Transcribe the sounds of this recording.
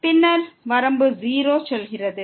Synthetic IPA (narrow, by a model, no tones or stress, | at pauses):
pɪnːɐɾʋɐɾɐmbɯziːɾoːsɔlɣɪrɐðɯ